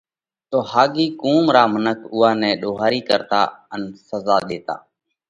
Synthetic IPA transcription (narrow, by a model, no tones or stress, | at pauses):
t̪oːhaːɡiːkũːmɾaːmənəkʰʊːaːnɛ̃ːɗoːɦaːɾiːkəɾt̪a̰ːənsəzaːɗ̪eːt̪a̰ː